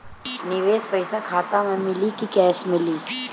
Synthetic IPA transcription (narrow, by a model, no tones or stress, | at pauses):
nɪʋeːspəɪsakʰaːt̪amẽmɪlikikɛːsmɪliː